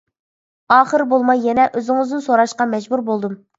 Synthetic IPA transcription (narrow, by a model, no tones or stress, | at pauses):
ɑːχəɾbolˠmɑjːɛnɛʔøzɪŋɨzd̪ɪnsoɾɑʃqɑmɛd͡ʒbuɾbolˠd̪um